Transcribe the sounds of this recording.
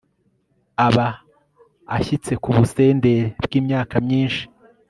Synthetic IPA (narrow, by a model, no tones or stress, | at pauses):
aβaː | çit͡se̞kuβuse̞ːnde̞ɾeb̥ɡiːmɲaːkamɲiːnʃi̥